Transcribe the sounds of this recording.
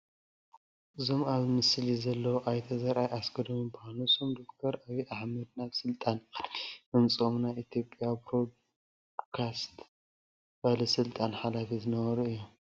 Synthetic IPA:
ɨzomaβmɨslizɐlːɐwʔajt̪ʰɐzɐɾʔajasɡʰɐd̪omibuhanusomd̪o̞k̚t̪ʰɐɾʔaβiʔaħmɐd̪̚naβsɨlt̪ʼanʔɨnt͡sʼomnajit̪ʰjo̞pʼːjabɾod̪ | kʰast̪ | balɐsɨlt̪ʼanħalafizɨnɐβɐɾuɨjːom

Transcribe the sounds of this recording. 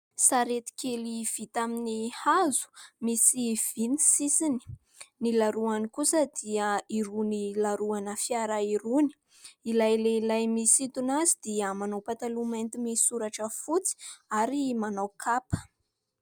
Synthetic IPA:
saɾet̪i̥keliv̥it̪aminihazu̥misiv̥inisisini̥ | nilaɾuanikusəd̪iəiɾunilaɾuanəfiaɾaiɾuni̥ | ilajleilajmisit̪unazid̪̥iəmanawpat̪alument̪imisuɾaʈ͡ʂəfut͡si̥aɾimanawkʰapə̥

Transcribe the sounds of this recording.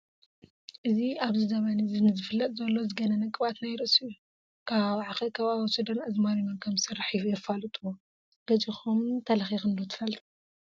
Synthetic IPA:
ʔɨziaβzɨzɐβɐnizinɨzɨfɨlːɐt̪ʼzɐlːo̞zɨɡɐnɐnɐkʼɨβat̪najɾɨsɨju | kʰaβʕaxɐkʰɐβawsud̪ɐnɐzmaɾinonkʰɐmsɨraħifujɛfalɨt̪ʼuwo | ɡ̥ɐt͡ʃʼixumt̪ʰɐlɐxixɨnd̪ot̪ʰɨ̥fɐlt̪ʼu

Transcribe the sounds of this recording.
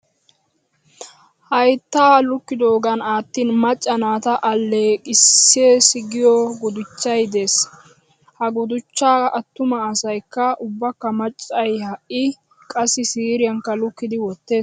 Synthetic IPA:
hɐjt̪ːaːlʊkːɪd̪oːɡɐnaːt̪ːiːnmɐt͡ʃʼːɐnaːt̪ɐʔɐlːekʼɪsːeːsɪɡɪjɔɡʊd̪ʊt͡ʃːɐjd̪e̞ːs | hɐɡʊd̪ʊt͡ʃːaːɐt̪ːʊmɐːsɐjkːɐʊbːɐkːɐmɐt͡ʃʼːɐjhɐʔɪ | kʼɐsːɪsiːɾɪjɐŋkːɐlʊkːɪd̪ɪwɔt̪ːe̞ːs

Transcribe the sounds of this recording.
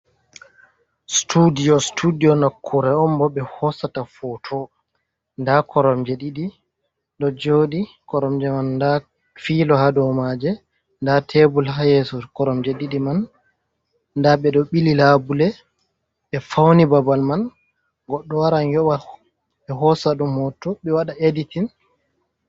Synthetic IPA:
studijɔstʰudiɔnakʰːuɾɛɔmbɔɓɛhɔsatafɔtʰɔ | ndakɔɾɔmd͡ʒeɗiɗi | ɗɔd͡ʒodi | kɔɾɔmd͡ʒɛmanːda | fiːlɔɦadɔwmad͡ʒɛ | ndatʰebulɦajɛsɔkɔɾɔmd͡ʒɛɗiɗiman | daɓɛɗɔɓililabulɛ | ɓɛfawnibabalman | ɡɔɗːɔwaɾanjɔwa | ɓɛɦɔsaɗumhɔtɔɓɛwaɗaeditin

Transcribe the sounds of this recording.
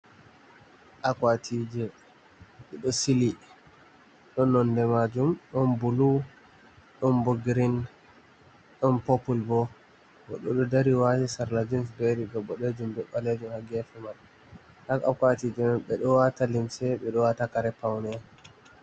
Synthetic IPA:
ʔakwatʰid͡ʒɛ | ɓɛɗɔsili | ɗɔnːɔndɛmad͡ʒumɗɔnbulu | ɗɔnboɡiɾin | ɗɔnpɔpulbɔ | ɡɔɗɔɗɔdaɾiwatisaɾlad͡ʒinsbeɾiɡɔɓɔɗed͡ʒumdɔɓːaled͡ʒumhaɡɛfɛmal | hakakwatid͡ʒɛnnɓɛɗɔwatalimsɛɓɛɗɔwatakaɾɛpawnɛ

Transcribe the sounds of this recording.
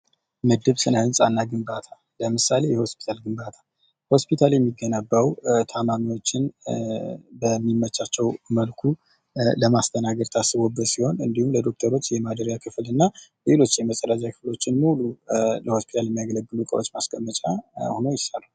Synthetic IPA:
mɨd̪ɨβsɨnəhɨnsʼanːaɡɨmbat̪ʰa | ləmɨsale̞jɛho̞spʰit̪ʰalɡɨmbat̪ʰḁ | ho̞spʰit̪ʰaljɛmːiɡːənəbːawt̪ʰamamiwo̞t͡ʃːɪn | bəmːimːət͡ʃːat͡ʃːɛwməlkʰu | ləmast̪ʰənaɡəɾt̪ʰasɨβobːət̪siho̞nɨnd̪ihumləd̪o̞k̚t̪ʰəɾo̞t͡ʃːjɛmad̪əɾjakʰɨflɨnːale̞lo̞t͡ʃːjɛməsʼəɾazakʰɨflo̞t͡ʃːɪnmululəho̞spʰit̪ʰaljɛmːijaɡələɡːɨlukʼə̰wot͡ʃːmaskʰʼəmːət͡ʃʼahonojɪsalu

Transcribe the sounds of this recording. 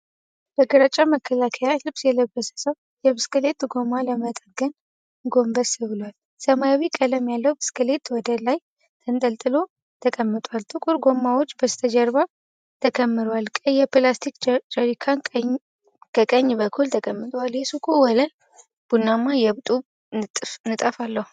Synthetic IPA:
b̥əɡɨɾat͡ʃʼːaməkʰːəlakʰəjalɨbsjɛləbːəsə̥səw | jɛbɨskʼɨle̞t̪ɡo̞maləmət̪ʼəɡɨn | ɡo̞mbəsɨβɨlwal | səmajawikʼələmjalːəwbɨskʰɨle̞t̪wɔd̪əlaj | t̪ʰənt̪ʼəlt̪ʼɨlo̞ | t̪ʰəkʼəmːɨt̪ʼwalt̪ʰʼɨkʼuɾɡo̞mːawo̞t͡ʃːbəst̪ʰəd͡ʒəɾba | t̪ʰəkʰəmːɨɾalkʼəjɛpɨlast̪ʰikd͡ʒəɾikʰanɲ | kʰəkʼəɲːbəkʰːult̪ʰəkʼəmːɨt̪ʼwaljɛsukʰowɔlə | b̥unːamːajɛβt̪ʼu | nɨt̪ʼəfalːəhu

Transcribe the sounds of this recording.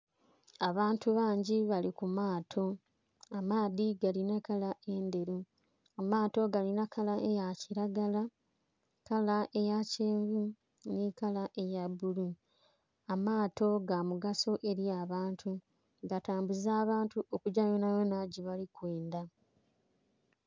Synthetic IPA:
aβaːntuβaːɲɟiβalikumaːtʰo̞ | amaːðiɡalinakalaʔe̞nde̞ɾu | amaːto̞ɡalinakalaʔe̞jaciɾaɡala | kalaʔe̞jaceːɱvu | nikalaʔe̞jabulu | amaːto̞ɡamuɡaso̞ʔe̞ɾiaːβaːntʰu | ɡataːmbuzaːβaːntuʔo̞kuɟajonajo̞naɟiβalikweːnda

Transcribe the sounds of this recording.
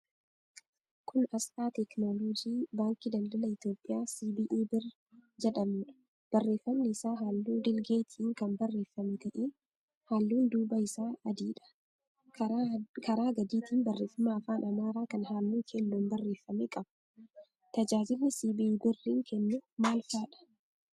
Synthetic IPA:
kʊnɐst̪aːt̪ɛknoːloːd͡ʒiːbaːŋkɪd̪ɐnd̪ɐlɐɪt̪jo̞ːpʼːɪjaːsiːbɪʔiːbɪr | d͡ʒɛᶑɐmʊᶑɐ̥ | b̥ɐrːe̞ːfːɐmnɪːsaːɦaːlːuːd̪ɪlɡeːt̪ʰiːŋkɐmbɐrːe̞ːfːɐmɛɡɐʔeː | haːlːuːnd̪uːbɐɪsaːɐd̪iːᶑɐ̥ | kɐɾaːɡɐd̪iːt̪ʰiːnbɐrːe̞ːfːɐmaːfaːnɐmaːɾaːkɐnhaːlːuːkʰɛnːuːnbɐrːe̞ːfːɐmɛkʼɐb̥ɐ̥ | t̪ɐd͡ʒaːd͡ʒɪlːnɪsiːbɪiːbɪrːiːŋkʰɛnːʊmaːlfaːᶑɐ̥

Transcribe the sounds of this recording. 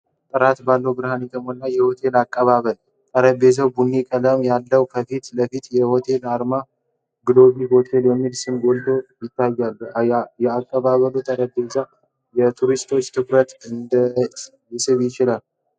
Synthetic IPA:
t̪ʼɨɾat̪balːəwbɨɾhanet̪ʰəmhonːajɛho̞t̪ʰe̞lakʼːəβaβəl | t̪ʼəɾəbe̞zəwbunekʼələmjalːəwkʰəfit̪ləfit̪jɛho̞t̪ʰe̞laɾma | ɡɨlo̞βiɦo̞t̪ʰe̞ljɛmːilsɨmɡo̞ld̪o̞jɪt̪ːajːalːjɛakʼːəβaβəlut̪ʼəɾəbe̞za | jɛt̪ʰuɾist̪ʰo̞t͡ʃːt̪ʰɨkɾət̪ɨnd̪ə | jɪsɨβjɪt͡ʃɪlal

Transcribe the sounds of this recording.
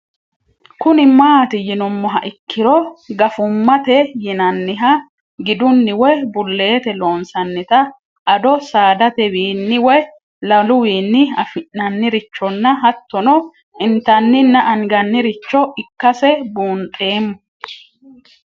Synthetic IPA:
kʊnɪmaːt̪ɪjɪnʊmːɔɦɐʔɪkːɪɾɔɡɐfʊmːɐt̪ɛjɪnɐnːɪɦɐ | ɡɪd̪ʊnːɪwɛbʊlːe̞ːt̪ɛlo̞ːnsɐnːɪt̪ɐ | ʔɐd̪ɔsaːd̪ɐt̪ɛwiːnːɪwɛ | lɐlʊwiːnːɪɐfɪʔːɐnːɪɾɪt͡ʃːɔnːɐɦɐt̪ːɔnɔ | ʔɪnt̪ɐnːɪnːɐʔɐŋɡɐnːɪɾɪt͡ʃːɔʔɪkːɐsɛbuːnt̪ʼe̞ːmːʊ

